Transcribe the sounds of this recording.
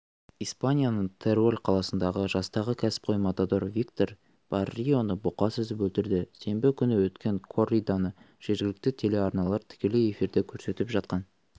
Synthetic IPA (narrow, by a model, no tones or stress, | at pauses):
ijspanʲijanəɴt̪ʰe̞rolʲqʰɑlˠɑsənd̪ɑʁəʒɑst̪ɑʁəkʲʰæsɪ̥p̚qʰo̞jmat̪ad̪o̞ɾvʲik̚t̪o̞r | b̥ɑrːijo̞nəbuqɑsʏzɪpwɵlt̪ɪɾd̪ɪse̞mbɪkʲʰʏnɪwɵt̪kʲe̞ŋkʰo̞rʲijd̪anə | ʒ̥e̞ɾɡʲɪlɪk̚t̪ɪt̪ʰe̞le̞ɑɾnɑlˠɑɾt̪ʰɪ̥kʲe̞le̞je̞fiɾd̪e̞kʲʰɵɾse̞t̪ɪpʒɑt̪̚qɑn